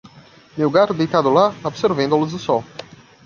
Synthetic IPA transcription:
mewɡat̪ʊd̪ejt̪ad̪ʊlaobseɾvẽd̪ʊlʊzʊsɔw

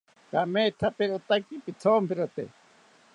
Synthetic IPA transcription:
kamet̪ʰapeɾot̪akipit͡sʰoːmpiɾot̪ḛ

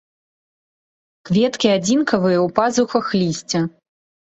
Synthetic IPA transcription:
kvʲɛt̪kʲiad͡zʲinkɐvɨjɐwpazuxɐxlʲisʲt͡sʲɐ

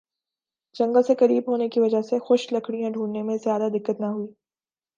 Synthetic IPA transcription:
d͡ʒɐ̃ŋɡəlsekɐɾiːbɦoːnekiʋɐd͡ʒəɦsexʊʃlɐkʰɽijãɖʱuːɳːemẽzjaːd̪ad̪ɪkːət̪nɐɦuiː

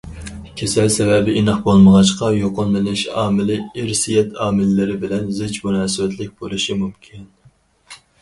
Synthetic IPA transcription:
kʲʰesɛlsɛvɛbɪʔinɨχbolˠməʁɑʃqɑjoqʊnlɨnɪʃɑːmɪlɪɪɾsijɛt̪ʰɑːmɪlːɪɾɪbɪlɛnzɪd͡ʒmunɑːsɪvɛt̪lɪk̚ʲb̥olˠɨʃimumkʲʰin

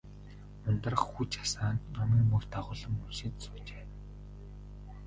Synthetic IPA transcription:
ʊnt̪ə̆rə̆χxut͡ɕḁsaːnt̪nɔmiːmɵkt̪ʰaʁʊːɮə̆mːunʃĕt̪t͡sʊːt͡ɕeː

